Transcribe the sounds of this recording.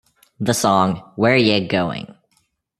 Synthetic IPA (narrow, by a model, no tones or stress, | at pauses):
ðəsɔ̃ŋwə˞jɨɡoʊɪ̰̃ŋ